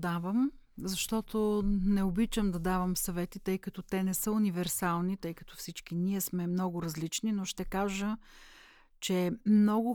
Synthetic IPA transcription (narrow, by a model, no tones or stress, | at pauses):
d̪avəm | zɐʃt̪ɔt̪onɛʊbit͡ʃəmd̪ɐd̪avəmsɐvɛt̪it̪ɤjkɐt̪ɔt̪ɛnɛsəʊnivɛɾsalˠnit̪ɤjkɐ̥t̪ɔ̥fsit͡ʃkiniɛsmɛmnɔɡʊɾɐzlit͡ʃninoʃt̪ɛkaʒə | t͡ʃɛmnɔɡʊ